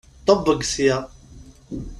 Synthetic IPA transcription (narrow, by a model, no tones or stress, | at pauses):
t̪ˤːobːəɡsjæ